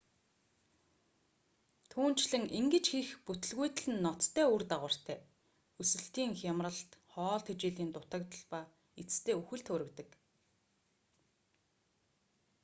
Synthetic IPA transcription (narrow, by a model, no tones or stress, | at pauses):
t̪ʰuːn̥t͡ɕɮɘ̆ŋʔiŋɡɘ̆t͡ɕxixput̪ɘ̆ɮɣujt̪̆ɮɘ̆nːɔt̪t̪ʰːæːurt̪aʁə̆r̥t̪ʰæː | usɘ̆ɬt̪iːŋxamrə̆ɬt̪χɔːɮt̪ʰet͡ɕeːɮiːnt̪ʊt̪ə̆k̚t̪ə̆ɮpaː | it͡st̪ʰeːuxɘ̆ɬt̪ʰʊɾɘ̆kt̪ə̆k